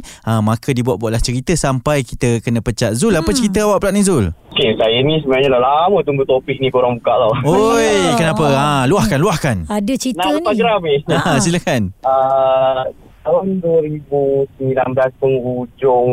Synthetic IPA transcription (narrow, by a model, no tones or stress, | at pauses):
amãkʰədibuaʔ̪̚buaʔlaht͡ʃəɾit̪əsampajkit̪əkənə̃pət͡ʃat̪̚zulapət͡ʃəɾit̪̬əawaʔpəlaʔ̚nĩzʊlokesajənĩs̬əmənaɲalalamə̃t̪uŋɡut̪opik̚nĩkoɾaŋbukaʔlawojkənãpəãluahkanluahkanadət͡ʃinat̪aɡɾameaasilakanə | t̪alanduəɾibusəmilanblaspəŋud͡ʒʊŋ